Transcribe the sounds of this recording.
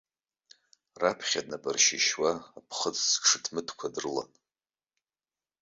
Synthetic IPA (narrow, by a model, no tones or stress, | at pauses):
rapʰχʲadnabʼɨrʃɪʃwaːpʰχət͡sʼsʂɨtʰmɨtʰkʷʰadrɨla̰n